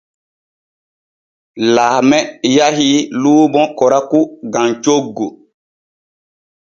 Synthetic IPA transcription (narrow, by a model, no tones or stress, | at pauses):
laːmɛjaɦiluːbɔ̃kɔɾakuɡãnt͡ʃoɡːu